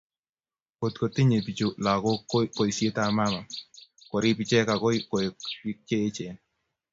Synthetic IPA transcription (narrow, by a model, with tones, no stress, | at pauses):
ko˨t̚ko˨ti˦ɲe˨pi˨t͡ʃo˨la˨ko˦kːo˦ko˨jse˦ta˦˨ma˦ma˨ko˨ɾi˦pi˨t͡ʃɛ˦ka˨ko˦jko˨i˦k̚t͡ʃeː˦t͡ʃɛ˨n